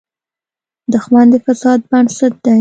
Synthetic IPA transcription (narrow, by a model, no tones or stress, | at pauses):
d̪əxwand̪efasɑd̪̚baɳsat̪̚d̪a